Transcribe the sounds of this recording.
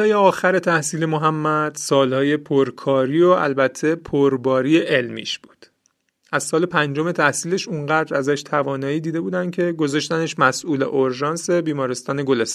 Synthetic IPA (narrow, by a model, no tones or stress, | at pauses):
ɒːjeɒːxæɾe̞t̪ʰæhsiːle̞moɦæmːæd̪̥sɒːlhɒːje̞pʰoɾkʰɒːɾiːoʔæ̰lbæt̪ʰːe̞pʰoɾbɒːɾiːeʔelmḭːʃb̥uːd̪̥ | ʔæz̥sɒːle̞pʰænd͡ʒo̞me̞t̪ʰæhsiːleʃuɴɢæːd̪ɾæzæʃt̪ʰævɒːnɒːjiːd̪iːd̪e̞buːd̪ænd̪̚cʰe̞ɡo̞zɒʃt̪æneʃmæsʔuːlḛʔoɾʒɒːnse̞biːmɒːɾe̞st̪ɒːneɡo̞les